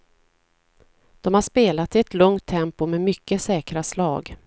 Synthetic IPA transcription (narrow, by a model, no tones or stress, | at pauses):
d̪̥ɔmhaʂpeːlat̪ɪɛt̪lɵŋt̪ʰːɛmpʊmɛmʏkːəsɛːkɾaslɑ̰ːɡ